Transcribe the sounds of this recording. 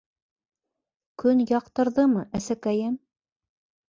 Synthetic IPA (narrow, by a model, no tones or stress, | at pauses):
kɵnjɑqt̪ɤ̆ɾðɤmɤʔæsækæjæm